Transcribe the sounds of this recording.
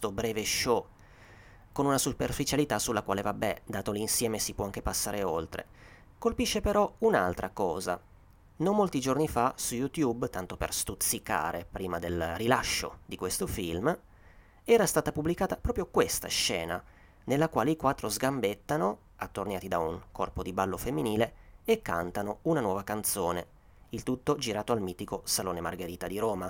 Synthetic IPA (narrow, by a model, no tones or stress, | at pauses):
t̪obɾɛːveʃːɔ | konunasuperfit͡ʃalit̪asulːakwaːlevabːɛd̪aːt̪olinsjɛːmesipwɔaŋk̟epasːaːɾeolt̪ɾḛ | kolpiʃːepeɾɔuna̰lt̪ɾʔakɔːza̰ | nommːolt̪id͡ʒornifasujut̪jubt̪ant̪opḛrst̪ut̪sːika̰ːɾḛpɾiːmad̪elrilaʃːo̰d̪ikwest̪ofilm | ɛːɾast̪aːt̪apublikaːt̪apɾɔːpɾjokwest̪a̰ʃːɛːna̰ | nelːakwaːleikwat̪ːɾozɡambet̪ːano | at̪ːornjaːt̪id̪auŋkɔrpod̪ibalːofemːiniːleekːa̰nt̪anounanwɔːvakant̪soːne | ilt̪ut̪ːod͡ʒiɾaːt̪oalmiːt̪ikosaloːnema̰rɡeɾiːt̪ad̪iɾɔːma